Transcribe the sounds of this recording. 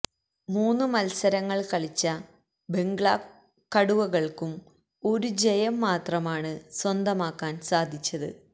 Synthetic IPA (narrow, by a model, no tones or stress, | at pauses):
muːnːɨmɐlsɐɾɐŋːɐɭkɐɭit͡ɕːɐ | be̞ŋɡɭa | kɐɽuʋɐɣɐɭkum | o̞ɾud͡ʑejɐmːaːt̪rɐmaːɳɨswɐnd̪ɐmaːkːaːnsaːd̪ʱit͡ɕːɐðɨ̰